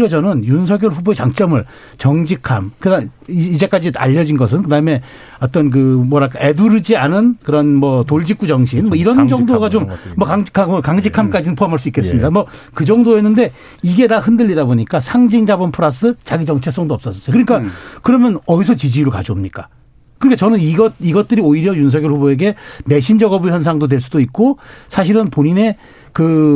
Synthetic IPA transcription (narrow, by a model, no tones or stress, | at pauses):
ʌd͡ʑʌnɯnjuns̬ʰʌɡjoɭɸuboet͡ɕaŋt͡ɕ͈ʌmɯɭ | t͡ɕʌŋd͡ʑikʰamkɯdaid͡ʑe̞k͈ad͡ʑia̰ʎːʌd͡ʑinɡʌs̬ʰɯnkɯdaɯme̞ | ʌt͈ʌnk̬ɯmwʌɾak͈ʰae̞duɾɯd͡ʑianɯnkɯɾʌnmʌtoɭd͡ʑik͈ud͡ʑʌŋɕʰinmʌiɾʌnd͡ʑʌŋdoɡat͡ɕommːʌkaŋkakaŋd͡ʑikʰamk͈ad͡ʑinɯnpʰoamɦaɭs̬͈uik͈e̞s͈ɯmɲidamʌkɯd͡ʑʌŋdoenːɯnde̞ | iɡe̞dahɯndɯʎːidaboɲik͈asʰaŋd͡ʑiŋd͡ʑabʌnpʰɯɾas͈ɯt͡ɕaɡid͡ʑʌŋt͡ɕʰes͈ʌŋdoʌps͈ʌs͈ʌs͈ʌjkɯɲik͈akɯɾʌmjʌnʌisʰʌt͡ɕid͡ʑiːɾoɭkad͡ʑomɲik͈a | kɯɾʌkʰat͡ɕʌnɯniɡʌt̚iɡʌt̚t͈ɯɾioiɾjʌjuns̬ʰʌɡjoɭhuboe̞ɡe̞me̞ɕʰind͡ʑʌɡʌbuçjʌns̬ʰaŋdod̬we̞ɭs͈udoik̚k͈osʰaɕ̬ʰiɾɯnpoɲine̞ | kɯ